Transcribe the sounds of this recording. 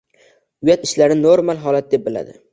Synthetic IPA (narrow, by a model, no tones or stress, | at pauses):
ʊjat̪ɪʃlaɾɪnoɾmalˠɦɒlat̪̚d̪e̞p̚bɪla̰d̪ɪ̰